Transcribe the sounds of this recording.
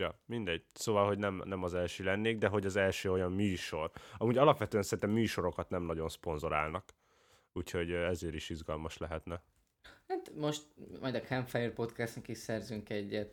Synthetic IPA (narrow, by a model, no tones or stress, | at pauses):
jɒmind̪ɛɟ̥soːvɒlɦo̞ɟnɛmnɛmɒzɛlʃøːlɛnːeːɡd̪ɛɦo̞ɟɒzɛlʃøːo̞jɒmːyːʃo̞rɒmuːɟɒlɒpʋɛt̪øɛnsɛɾint̪ɛmːyːʃo̞ɾo̞kɒt̪nɛmnɒɟo̞nspo̞nzo̞ɾa̰ːlnɒk | uːcho̞ɟɛzeːɾiʃiʒɡɒlmɒʃlɛɦɛt̪nɛ | hat̪mo̞ʃt̪mɒjd̪ɒkʰɛmfɛjirpo̞t̪kɛst̪nɛkiʃsɛrzyŋkɛɟːɛt̪